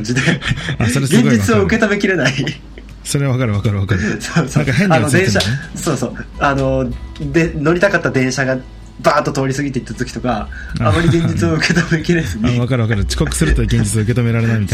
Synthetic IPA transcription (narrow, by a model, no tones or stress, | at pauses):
d͡ʑid̪e̞asoɾeɡẽɡd͡ʑit͡ssɨoɯ̟ke̞t̪ome̞kʲiɾe̞nai | so̞ɾeβakaɾɯβakaɾɯ̟βakaɯsosonaŋkaɦẽɲnod̪ẽ̞ɰ̃ɕaso̞ːso̞ːano̞d̪eno̞ɾʲit̪akat̪ːad̪ẽ̞ɰ̃ɕaɡa | baːt̪ːo̞t̪o̞ːɾʲisɨɡʲit̪̬e̞it̪ːat̪okʲi̥t̪o̞kaamːaɾʲiɡẽ̞ɲd͡ʑit͡sɨoɯ̟ke̞t̪ome̞kʲiɾesɨniβakaɾɯ̟βakaɾɯt͡ɕi̥kokɯ̟̥sɨɾɯ̟t̪oɡe̞ɲɲd͡ʑit͡sɨoɯ̟ke̞t̪ome̞ɾaɾe̞naimʲit̪a